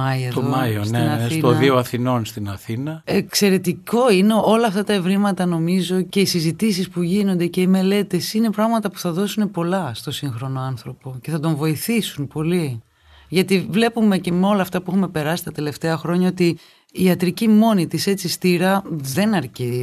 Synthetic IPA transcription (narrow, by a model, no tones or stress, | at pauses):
ɐeoɐjoneɐsioðioɐθino̞nst̪inɐθinɐekse̞ɾe̞t̪iko̞ine̞o̞lɐːft̪ɐt̪ɐe̞vɾimɐt̪ɐno̞mizo̞ce̞isizit̪isispuʝino̞nd̪e̞ce̞ime̞le̞t̪e̞sine̞pɾɐɣmɐt̪ɐpu̥θɐðo̞sunepo̞lɐst̪o̞siŋxɾo̞no̞ɐnθɾo̞po̞ce̞θɐt̪o̞ɱvo̞iθisunpo̞li | ʝɐt̪ivle̞pume̞ce̞meo̞lɐːft̪ɐpuxume̞pe̞ɾɐsi̥t̪ɐt̪e̞le̞ft̪e̞ɐxɾo̞ɲɐot̪iː | ɐt̪ɾicimo̞nit̪ise̞t͡sist̪iɾɐðe̞nɐɾci